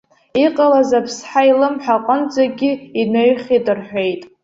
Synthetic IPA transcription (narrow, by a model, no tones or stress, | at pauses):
iqʼalazapʰsħailɨmħʷᶣaqʼənd͡zaɡʲiinaɥχʲidɨrħʷᶣe̞jtʼ